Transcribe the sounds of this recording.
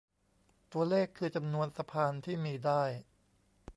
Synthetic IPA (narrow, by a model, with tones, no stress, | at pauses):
t̪u˧ɐleː˥˩kʰːɯː˧t͡ɕa˧mnu˧ənsa˧pʰaː˧nt̪ʰiː˥˩miː˧daː˥˩j